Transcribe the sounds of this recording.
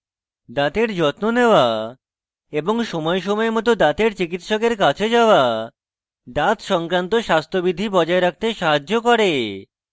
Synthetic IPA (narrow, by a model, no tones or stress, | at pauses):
d̪at̪eɾd͡ʑɔt̪moneoa | eboŋʃɔmɔeʃɔmɔemɔt̪̬od̪at̪eɾt͡ɕikit̪ʃɔkeɾkat͡ɕʰed͡ʑaoa | d̪at̪ʃɔŋkɾant̪oʃast̪ʰobid̪ʱːibɔd͡ʑɔeɾak̚ʰt̪eʃaɦad͡ʑːokɔɾe